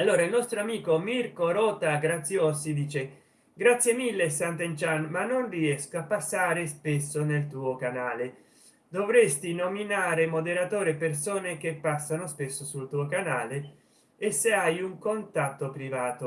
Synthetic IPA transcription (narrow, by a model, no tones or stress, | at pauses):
alːoːɾailnɔst̪ɾoamiːkomirkoɾɔːt̪aɡɾat̪sːjosid̪iːt͡ʃe | ɡɾat̪sːjemilːesant̪ent͡ʃanmanːonriɛskoapːasːaːɾespesːonelt̪uːokanaːle | d̪ovɾest̪inominaːɾemod̪eɾat̪oːɾepersoːnekepːasːanospesːosult̪uːokanaːleː | sːeajuŋkont̪at̪ːopɾivaːt̪o